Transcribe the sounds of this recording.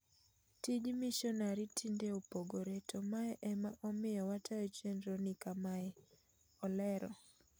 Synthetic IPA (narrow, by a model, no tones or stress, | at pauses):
tid͡ʒmiʃɔnaɾitʰindeupoɡoɾetʰɔmaɛʔɛmaʔɔmɪjɔwatʰajɔt͡ʃendɾɔnɪkamaɛ | ɔlɛɾɔ̰